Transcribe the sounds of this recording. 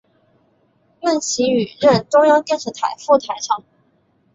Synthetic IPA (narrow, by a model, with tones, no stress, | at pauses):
mə˥˩nɕi˧˥y˨˩ɻə˥˧˩nʈ͡ʂʊ˥ŋjɑ˥ŋkə˥˧nʂ̩˧˩t̪ʰa˨˩ɪfu˥˩t̪ʰa˨˩ɪʈ͡ʂʰɑ˧˥˦ŋ